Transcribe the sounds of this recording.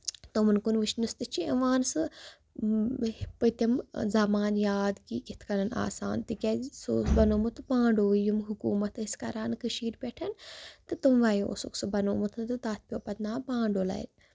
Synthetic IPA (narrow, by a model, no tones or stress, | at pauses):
t̪omɐnkunʋiʃnust̪ɨt͡ʃʰiɐʋaːnsɨ | pɨt̪ʲɐmzamaːnjaːd̪kiɡit̪ʰkɐnɐna̰ːsa̰ːnt̪ɨkʲeso̰ːsbɐnoːmut̪pãːɳɖoːjumɦukuːmɐt̪ʰiskɐɾaːnkɨʃiːɾpʲeʈʰɐnt̪ɨt̪umʋaːjoo̰sṵksɨbɐnoːmut̪ʰnt̪ɨt̪aːt̪̚ʰpʲjoːpɐt̪naːpãːɳɖoːlɐ̰jḭn